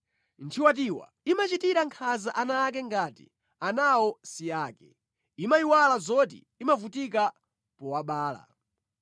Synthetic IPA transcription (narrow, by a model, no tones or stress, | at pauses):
ntʰiwat̬iwa̰ | imat͡ʃitiɾaŋkʰazaʔanaːk̬ɛŋɡaːtḭ | anawɔsiaːkɛ | imaiwalazɔt̬ḭ | imavutik̬a | pɔwaɓaːla̰